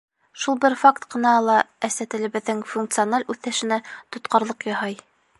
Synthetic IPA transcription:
ʃulˠbɘɾfakt̪qɤ̆nɑlˠɑæsæt̪ɘ̆lɘ̆βɘ̆ðːɘŋfuŋk̚t̪sɨonalʲʉθæʃɘ̆næt̪ŏt̪qɑɾlˠɤqjɑɦɑj

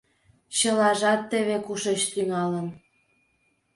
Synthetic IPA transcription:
ɕəlɑʒɑt̪ːə̆βekuʃet͡ɕt̪yŋɑlən

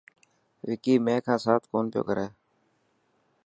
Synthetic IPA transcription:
ʋɪkiːmẽːkʰãːsaːt̪ʰkoːnpɪjo̰ːkəɾeː

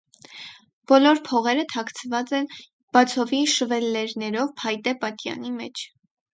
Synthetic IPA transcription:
b̥ɔlɔɾpʰɔʁɛɾət̪ʰɑkʰt͡sʰvɑt͡sɛn | b̥ɑt͡sʰɔviʃəvɛlːɛɾnɛɾɔvpʰɑjt̪ɛpɑt̪jɑ̰nimɛ̰t͡ʃʰ

